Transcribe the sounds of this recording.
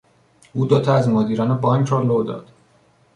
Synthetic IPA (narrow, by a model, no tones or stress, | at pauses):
uːd̪ot̪ʰɒæzmoːd̪iːɾɒːnebɒːŋkʰɾɒːlod̪ɒ̰ːd̪̥